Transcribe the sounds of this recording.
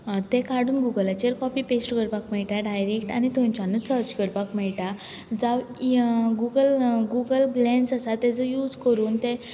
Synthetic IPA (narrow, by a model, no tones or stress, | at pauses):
t̪ẽkaɽuːnɡuɡəlat͡ɕeɾkɔpipesʈkəɾpakmɛɭʈaɖajɾekʈanit̪õnt͡ɕanusəɾt͡ɕkəɾpakmɛɭʈa | d͡zaʋ | ɡuɡəlɡuɡəlɡlɛ̃nsasat̪ːɛd͡zəjuːd͡zkəɾuːnt̪ẽ